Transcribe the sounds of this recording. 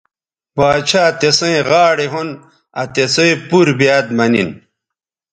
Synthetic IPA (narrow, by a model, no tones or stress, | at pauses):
baːt͡ɕʰaːt̪esɐ̃ẽʁaːɽeɦun | ɐt̪esoẽpuɾbijaːd̪̚mɐnḭn